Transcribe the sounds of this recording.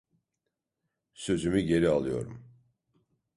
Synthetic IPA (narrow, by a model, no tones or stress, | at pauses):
sø̞zymyɟe̞ɾialˠɯjo̰ɾṵm